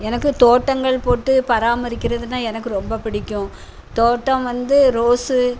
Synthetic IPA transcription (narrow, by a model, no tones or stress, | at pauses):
ɛnɐkːɯt̪oːʈːɐŋɡɐɭpoːʈːɯpɐɾaːmɐɾɪkʲːɪɾɐðɯnaːɛnɐk̬ːɯɾɔmbɐpɪɽɪkʲːʊ̃ | t̪oːʈːɐ̃ʋɐnd̪ɯɾoːsɯ